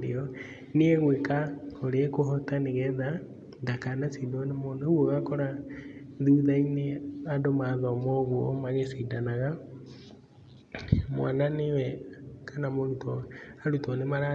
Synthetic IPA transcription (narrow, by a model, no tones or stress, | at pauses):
ḛɔ | niɛɣwekaoɾeekoɦɔtaneɣɛða | ɡakanasiːdɔnemoneɣwoɣakɔɾa | ðuːðaineadomaðɔmɔɣwɔmaɣesidanaɣa | mwananewɛkʰanamoɾutɔaɾutɔnemaɾa